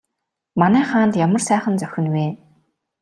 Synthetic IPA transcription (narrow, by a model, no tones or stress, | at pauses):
manæːχaːnt̪jamə̆rsæːχə̆nt͡sœxʲɪ̆nweː